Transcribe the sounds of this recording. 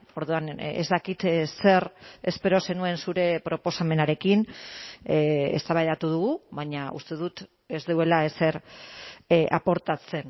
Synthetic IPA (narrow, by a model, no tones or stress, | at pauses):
o̞ɾðuanḛzd̪akit̪se̞re̞spe̞ɾo̞se̞nue̞nsuɾe̞pɾo̞po̞same̞naɾe̞kin | ḛst̪aβajðat̪uð̞uɣuβaɲaṵst̪e̞ðut̪ | e̞zðewe̞laese̞ɾ | ʔa̰po̞ɾt̪at͡se̞n